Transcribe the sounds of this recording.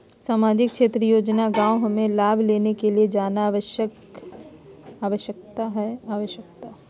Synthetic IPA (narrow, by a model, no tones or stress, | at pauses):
saːmaːd͡ʒɪkʃeːt̪ɾəjoːd͡ʒnaɡãːwɦɐmẽlaːbʱleːnekelied͡ʒaːnaːʋəʃək | aːʋəʃjək̚t̪aɦɛaːʋəʃjək̚t̪a